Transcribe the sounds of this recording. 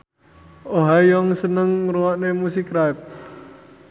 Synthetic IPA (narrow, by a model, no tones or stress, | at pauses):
oɦajɔŋsənəŋɾuwaʔnemusikɾaip̚